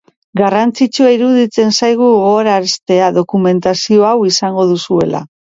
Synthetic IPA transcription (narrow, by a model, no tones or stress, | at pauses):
ɡarant͡sit͡ʃuaiɾuðit͡se̞nsajɣ̞uɣoɾaɾest̪e̞aðo̞kume̞nt̪asio̞awisaŋɡo̞ð̞usue̞la̰